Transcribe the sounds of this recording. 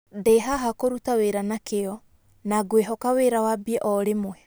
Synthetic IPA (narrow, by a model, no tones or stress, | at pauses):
deɦaɦakoɾutaweɾanakeɔ | naɡweɦɔkaweɾawabiɛʔɔɾemwɛ